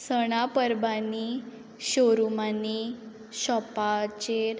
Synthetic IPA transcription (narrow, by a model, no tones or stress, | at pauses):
səɽ̃apəɾbani | ɕoɾumani | ɕɔpat͡ɕeɾ